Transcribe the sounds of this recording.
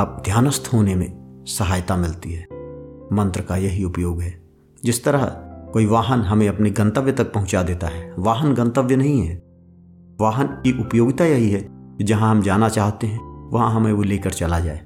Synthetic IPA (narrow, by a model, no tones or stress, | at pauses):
ap̚d̪ʱjaːnəst̪ɦoːnemḛ̃sɐɦaːjt̪amɪlt̪iɦɛːmɐ̃nt̪ɾəkajɐɦiʊpjoːɡɦɛː | d͡ʒɪst̪əɾəɦkoːiʋaːɦənɦɐmẽɐpniɡɐ̃nt̪əʋjət̪ɐk̚pɐɦʊ̃t͡ʃad̪eːt̪aɦɛːʋaːɦənɡɐ̃nt̪əʋjənɐɦĩɦɛː | ʋaːɦənkiʔʊpjoːɡt̪ajɐɦiɦɛkid͡ʒɐɦãɦɐmd͡ʒaːnat͡ʃaːɦt̪eɦɛ̃ʋɐɦãɦɐmẽoleːkəɾt͡ʃɐlad͡ʒa̰ːeː